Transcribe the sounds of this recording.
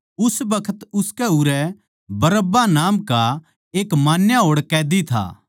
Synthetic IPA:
ʊsbɐkʰət̪ʊskɛuːɾɛ | bɐɾəbanaːmka | eːkmaːnjaɦoːɽkɛːd̪it̪ʰa̰ː

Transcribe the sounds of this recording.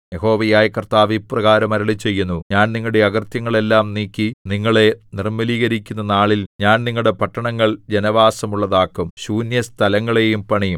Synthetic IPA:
je̞ɦo̞ːʋɐjaːjɐkɐrt̪aːʋiprɐɣaːɾɐmɐɾɐɭit͡ɕːe̞jːunːuɲaːnniŋːɐɭɽe̞ɐɣɐrt̪jɐŋːɐɭe̞lːaːmniːkːiniŋːɐɭe̞nirmɐliːɣɐɾikʲːunːɐnaːɭilɲaːnniŋːɐɭɽe̞pɐʈːɐɳɐŋːɐɭd͡ʑe̞nɐʋaːsɐmuɭːɐðaːkːumɕuːnjɐst̪ʰɐlɐŋːɐɭe̞jumpɐɳijum

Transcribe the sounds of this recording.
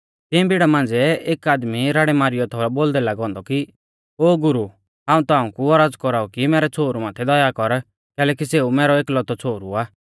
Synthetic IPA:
t̪ɪ̃biɽamãːnd͡zɛeːkaːd̪miɾaːɽɛmaːɾɪjɔt̪ʰoːɾɛboːld̪ɛlaːɡɔ̃ːnd̪ɔki | oːɡʊɾu | ɦaːũt̪ɔãːũkuɔɾaːd͡zkɔɾaːukimɛːɾɛt͡sʰoːɾumaːt̪ʰɛd̪ɔjakɔɾ | kɛːlɛːkiseːumɛːɾɔeːklɔt̪ɔt͡sʰoːɾuaː

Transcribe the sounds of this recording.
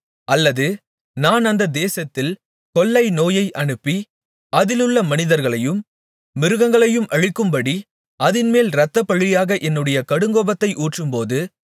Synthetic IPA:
ɐlːɐðɯ | naːnɐnd̪ɐd̪eːsɐt̪ːɪl | kɔlːɐɪnoːjɐɪʔɐɳɯpːi | ɐðɪlɯɭːɐmɐnɪðɐɾɣɐɭɐjɯmː | ɪɾɯɣɐŋɡɐɭɐjɯmʔɐɻɪkːɯmbɐɽi | ɐðɪnmeːlɾɐt̪ːɐpːɐɭːɪjaːɣɐʔɛnːɯɽɐjɐkɐɽɯŋɡoːbɐt̪ːɐɪʔuːʈrɯmpoːðɯ

